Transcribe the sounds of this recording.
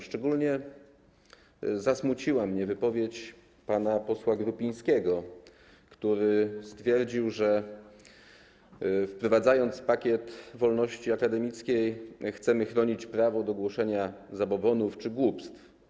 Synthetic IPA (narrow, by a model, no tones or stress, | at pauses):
ʂt͡ʂɛɡulɲɛ | zasmut͡ɕiwamɲɛvɘpɔvʲjet͡ɕ | panapɔswaɡɾupʲĩɲ̃skʲɛɡɔ | kt̪uɾɘst̪fʲjɛɾd͡ʑiwʐɛ | fpɾɔvad̪zajɔnt̪spakʲjɛt̪vɔlnɔɕt͡ɕiakad̪ɛmʲit̪skʲejxt̪sɛmɘxɾɔɲit͡ɕpɾavɔd̪ɔɡwɔʂɛɲazabɔbɔnuft͡ʂɘɡwupst̪f